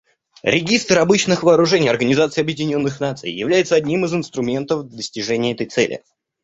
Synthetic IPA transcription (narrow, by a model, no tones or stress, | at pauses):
ɾʲɪɡʲist̪rɐbɨt͡ɕnɨxvɐːɾʊʐɛnʲɪjɐrɡənʲɪzat̪sɨɪɐbjɪdʲɪnʲo̞nːɨxnat̪sɨ̰jjɪ̰vlʲæjɪt̪səɐdʲnʲimɨzɨnst̪ɾʊmʲe̞nt̪əfd̪d̪əsʲtʲɪʐɛnʲɪjəɛt̪əjt̪sɛ̰lʲɪ̰